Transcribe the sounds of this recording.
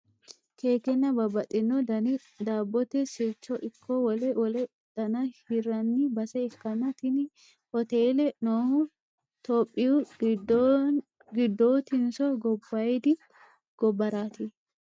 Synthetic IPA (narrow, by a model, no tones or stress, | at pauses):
kʰeːkɛnːɐbɐbɐt̪ʼːɪnːɔdɐ | d̪aːbːɔt̪ɛsɪɾt͡ʃːɔʔɪkːɔwɔlɛwɔlɛ | d̪̥ɐnɐhɪɾɐnːɪbɐsɛɛkːɐnɐt̪ɪn | hɔt̪eːlɛnoːhʊ | t̪oːpʼːɪʊ | ɡɪd̪ːoːt̪ɪnsɔɡɔbːɐjd̪ɪ | ɡ̥ɔbːɐɾaːt̪ɪ